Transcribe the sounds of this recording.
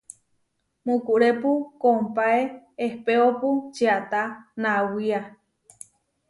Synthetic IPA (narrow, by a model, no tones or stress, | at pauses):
mũkuʔɾepukompae | ehpeoput͡ʃeat̪anãwia